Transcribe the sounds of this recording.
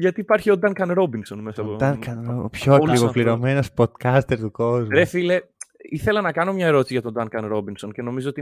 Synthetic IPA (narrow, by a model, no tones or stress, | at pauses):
ʝɐt̪iːpɐɾçio̞d̪ɐŋkɐnɾo̞binso̞nmesɐoɐkɐnpçoɐkliɣofliɾo̞menospod̪̥kɐst̪eɾt̪ukozɾefileiθe̞lɐnɐkɐno̞mɲɐeɾot̪isiʝɐt̪o̞d̪ɐŋkɐnɾo̞binso̞nce̞no̞mizoot̪i